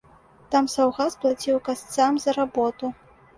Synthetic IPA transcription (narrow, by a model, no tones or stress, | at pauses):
t̪amsawɣasplˠat͡sʲiwkast̪samzɐɾabɔt̪u